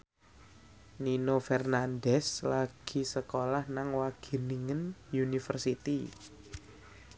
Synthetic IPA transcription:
ninofɛrnandɛslaɡ̥i̤səkolahnaŋwaɡ̥i̤niŋənjunifərsit̪i

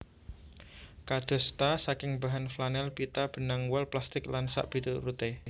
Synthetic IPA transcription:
kad̪̥ɔ̤st̪asakɪŋbaɦanflanɛlpit̪ab̥ə̤naŋwɔlplast̪ɪklansa̰ʔb̥it̪uɾut̪e

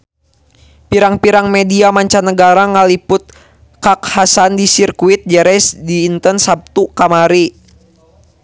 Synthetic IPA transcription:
piɾaŋpiɾaŋmɛdiamaɲt͡ʃanəɡaɾaŋalipʊt̪̚ | kakhasandisirkuit̪̚d͡ʒɛɾɛsdiːnt̪ənsap̚t̪ukamaɾi

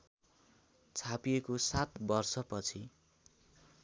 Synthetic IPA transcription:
t͡sʰapijekosat̪bʌrsʌpʌt͡sʰi

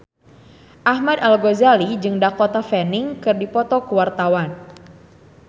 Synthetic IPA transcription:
ʔahmadalɡozalid͡ʒɨŋdakot̪afɛnɪŋkɨrdipɔt̪ɔkəwart̪awan

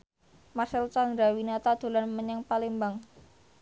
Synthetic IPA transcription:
masɪlt͡ʃaŋɾawinat̪ad̪̥o̤lanməɲɛŋpalembaŋ

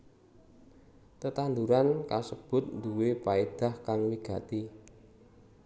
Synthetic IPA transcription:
t̪ət̪and̪uɾankasəb̥ʊ̤t̪̚nd̪uwepaed̪̥a̤hkaŋwiɡ̥ä̤t̪i

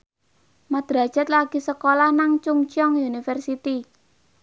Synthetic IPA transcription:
mad̪̥ɾa̤̥d͡ʒ̥a̤t̪laɡ̥isəkolahnaŋt͡ʃuŋt͡ʃɔŋjunifərsit̪i

